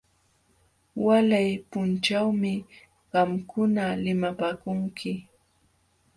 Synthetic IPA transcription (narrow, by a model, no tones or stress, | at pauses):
walajpʊnt͡ʃawmɪ | ɢɑmkʊnalɪmapaːkʊŋkʰɪ